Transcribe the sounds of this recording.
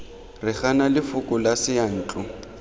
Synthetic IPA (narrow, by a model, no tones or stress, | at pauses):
rɪχanalɪfʊkʼʊlasɪan̩ːt͡ɬʼʊ